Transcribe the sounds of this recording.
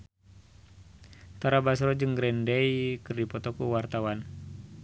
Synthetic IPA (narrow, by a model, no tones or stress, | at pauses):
t̪aɾabasɾɔd͡ʒɨŋɡɾɛndɛikɨrdipɔt̪ɔkuwart̪awan